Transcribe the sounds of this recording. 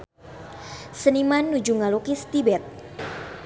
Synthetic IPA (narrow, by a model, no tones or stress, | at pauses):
sənimanːud͡ʒuŋalukist̪ibɛt̪̚